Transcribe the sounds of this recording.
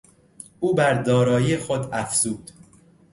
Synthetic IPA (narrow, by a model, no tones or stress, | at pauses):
ʔuːbæɾd̪ɒːɾɒːjixod̪æfz̥uːd̪̥